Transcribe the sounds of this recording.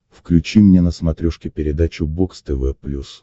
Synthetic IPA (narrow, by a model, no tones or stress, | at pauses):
fklʲʉt͡ɕimnʲenəsmɐt̪ɾʲuʂkʲɪpʲɪɾʲɪd̪at͡ɕʊbokst̪ɛvɛpːlʲus